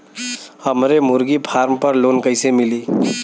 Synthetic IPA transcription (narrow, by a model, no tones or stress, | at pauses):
həmɾemʊɾɡipʰaːɾmpəɾloːnkəɪsemɪliː